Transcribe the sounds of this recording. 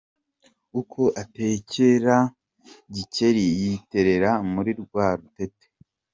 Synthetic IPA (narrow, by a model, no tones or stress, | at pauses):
ukʰo̞ʔate̞ceɾa | ɟice̞ɾijite̞ɾe̞ɾamuɾiɾɡwaːɾutete̥